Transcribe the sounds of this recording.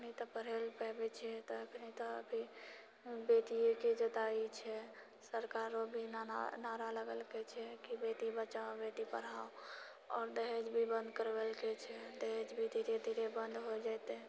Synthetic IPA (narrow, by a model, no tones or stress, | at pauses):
əknit̪ɔpəɾ̤elpɛbet͡ʃʰɛt̪ɔəkʰnit̪ɔə̰bʱi | bet̪ieked͡ʒət̪ait͡ʃʰɛ | səɾkaɾobʱinnaɾaləɡəlket͡ʃʰɛkibet̪ibət͡ʃabet̪ipəɽ̤ao | ɔːɾd̪eɦed͡ʒbʱibə̃nd̪kəɾbelket͡ʃʰɛd̪eɦed͡ʒbʱid̪ʱiɾed̪ʱiɾebənd̪ɦod͡ʒajt̪e